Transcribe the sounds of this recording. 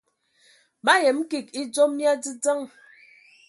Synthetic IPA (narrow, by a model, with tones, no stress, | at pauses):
ba˦je˨m̩˦ki˦˨k̚i˦d͡zo˦mː˦ja˦d͡zi˦d͡zə˦ŋ